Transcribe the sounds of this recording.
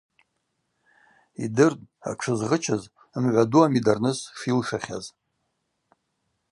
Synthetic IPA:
idɨrd̚ʼa̰ʈ͡ʂʰɨzʁət͡ʃʰaz | mʕʷaduamidarnɨsʂilʂaχʲaz

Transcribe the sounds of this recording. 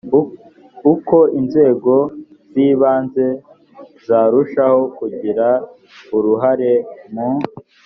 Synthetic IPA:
uko̞inze̞ːɡo̞ | ziːβaːnze̞ | zaːɾuʃaho̞kuɟiɾa | uɾuɦaɾe̞mu

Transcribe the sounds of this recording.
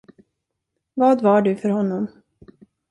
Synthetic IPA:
vɑːd̪vaɖɵfœɾhɔnːɔm

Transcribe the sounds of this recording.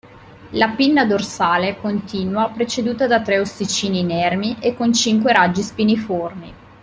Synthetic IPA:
lapinːad̪orsaːlekont̪iːnwapɾet͡ʃed̪uːt̪ad̪at̪ɾɛosit͡ʃiːninɛrmiʔekːont͡ʃiŋkweɾad͡ʒːispiniforni

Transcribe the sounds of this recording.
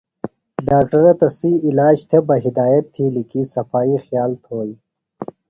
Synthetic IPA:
ɖaːk̚ʈɐɾɐt̪ɐsiːlaːd͡ʑt̪ʰebɐɦɪd̪aːjɐt̪ʰːilikisɐfaːixjaːlt̪ʰoːji

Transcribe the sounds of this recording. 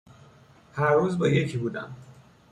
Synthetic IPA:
hæɾːuːzbɒːjecʰiːbuːd̪æ̰m

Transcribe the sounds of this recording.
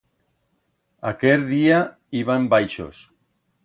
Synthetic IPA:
a̰keɾðia | iβ̞ambajʃo̰s

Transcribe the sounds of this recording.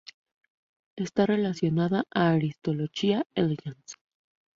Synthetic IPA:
e̞st̪are̞lasjo̞naðaʔaːɾist̪o̞lo̞ʝiaelʝans

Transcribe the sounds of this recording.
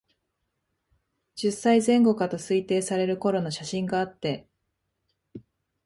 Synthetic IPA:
d͡ʑisːaizẽ̞ŋɡo̞kat̪o̞sɨit̪e̞ːsaɾe̞ɾɯ̟ko̞ɾo̞no̞ɕaɕĩŋɡaːt̪ːe̞

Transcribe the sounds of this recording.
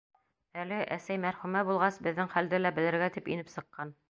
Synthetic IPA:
ælɘʔæ̰sæjmæɾχʉmæbulˠʁɑsbɘ̆ðːɘŋχæld̪ɘlæbɘ̆lɘ̆ɾɡæt̪ipḭnɘpsɤ̆qːɑn

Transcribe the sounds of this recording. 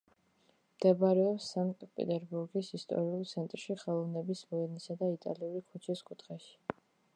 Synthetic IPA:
md̪̥ɛbɾɛɔpsːaŋk̪ʼpʼɛ̰t̪ʼɛɾbuɾɡisist̪ʼɔ̰ɾiulˠt̪sʰɛnt̪ʼɾʃiχɛlˠɔvnɛbismɔɛnisad̪ait̪ʼa̰liulikʰut͡ʃʰiskʼut̪ʰχɛʃi̥

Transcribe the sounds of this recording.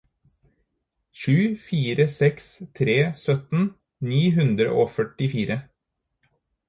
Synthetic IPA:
ʃʉːfiːɾəsɛkst̪ʰɾeːsœt̪n̩ | niːɦʉnd̪ɾə̰ʔoːfœʈɪfiːɾə

